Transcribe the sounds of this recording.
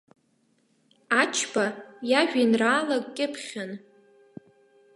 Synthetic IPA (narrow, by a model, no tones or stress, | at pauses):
at͡ʃʰbajaʒᶣinraːlakʼkʲʼɪpʰχʲan